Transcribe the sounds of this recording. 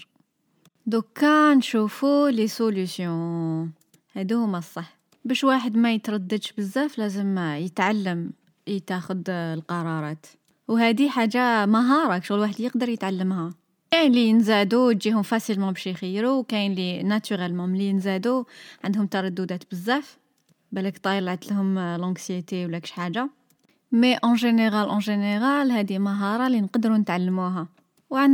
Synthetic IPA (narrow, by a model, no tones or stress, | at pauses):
d̪ukːɑnʃufulesolysjõ | hæd̪ihʊmːæsˤːɑħː | bæʃwaħəd̪mæjət̪ɾˤɑd̪ːəd̪ʃbəzːæflæzəmjət̪ʕalːəm | t̪æxʊd̪lqɑɾˤɑɾˤɑt̪ | whæd̪iħaʒːaməɦɑɾˤɑkʃʊɣəlwaħəd̪jəqd̪əɾˤjət̪ʕalːəmhæ | kænlinzæd̪uwt̪ʒihʊmfæsəlmɑ̃bæʃixəjɾuwkæjnlinæt̪yʁælmɑmlinzæd̪uʕənd̪hʊmt̪ɑɾˤɑd̪ːud̪æt̪bəzːæf | bælækt̪ˤɑjɾlʕat̪əlhʊmlʔɑ̃ksjet̪ewlːækə̥ʃħaʒa | meʔɑ̃ʒəneɣælʔɑ̃ʒəneɣælhæd̪iməɦɑɾˤɑlinqd̪ɾunət̪ʕalːəmuɦæ | wʕ